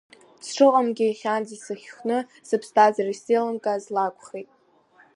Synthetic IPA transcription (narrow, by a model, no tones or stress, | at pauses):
sʈ͡ʂʰɨqʼamɡʲɪiχʲanzisɨχʲχnɨ | sɨpʰstʰazariselɨmkʼazlakʷʰʼχʲejtʼ